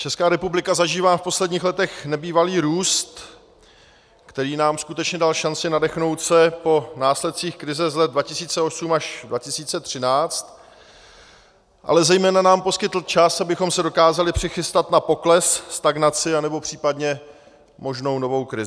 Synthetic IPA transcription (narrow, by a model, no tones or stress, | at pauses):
t͡ʃɛskaːɾɛpublɪkazaʒiːvaːfpo̞slɛdɲiːxlɛt̪ɛxnɛbiːvaliːɾuːst̪ | kt̪ɛɾiːnaːmskut̪ɛt͡ʃɲɛdalʃant͡sɪnadɛxno̞wt̪sɛpo̞naːslɛt̪̚t͡siːxkɾɪzɛzlɛt̪̚dvacɪsiːt͡sɛo̞sumaʒdvacɪsiːt͡sɛt̪r̝̥ɪnaːt͡st̪ | ʔa̰lɛzɛjmɛːnanaːmpo̞skɪt̪l̩t͡ʃasabɪxo̞msɛdo̞kaːzalɪpr̥ɪxɪst̪at̪napo̞klɛsst̪aɡnat͡sɪanɛbo̞pr̝̥iːpadɲɛ | mo̞ʒno̞wno̞vo̞wkɾɪzɪɪ